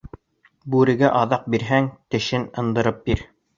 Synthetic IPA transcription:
bʉɾɘ̆ɡæʔɑðɑq̚biɾɦæŋt̪ɘ̆ʃɘnɤ̆nd̪ɤ̆ɾɤp̚biɾ

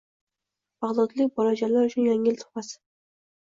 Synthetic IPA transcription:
bɑʁlˠɒt̪lɪk̚ʲbɒlad͡ʒalaɾʊt͡ʃʰʊnjaŋɪlt̪ʰʊ̥χasɪ̥

